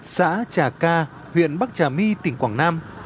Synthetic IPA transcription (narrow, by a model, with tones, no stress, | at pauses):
sa̰ː˧˥t͡ɕaː˧˩kaː˧ | hwḭ˧˨ənɓa˦˥k̚t͡ɕaː˨˩mi˧t̪ï˨˩ŋkwaː˧˩ŋnaː˧m